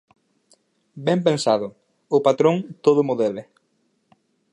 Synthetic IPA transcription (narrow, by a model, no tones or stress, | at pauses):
bɛmp̬ẽnsaðʊ | ʊpat̪ɾõŋt̪oð̞ʊmʊðeβɪ